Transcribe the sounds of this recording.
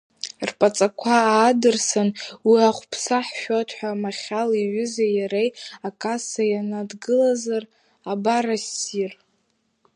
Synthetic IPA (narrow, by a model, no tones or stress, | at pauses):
rpʼat͡sʼakʷʰaːdɨrsanwiaχʷpʰsaħʃᶣotʰħʷᶣamaχʲaliɥʏzajaɾejakʼasajanadɡɨlazar | abaɾasir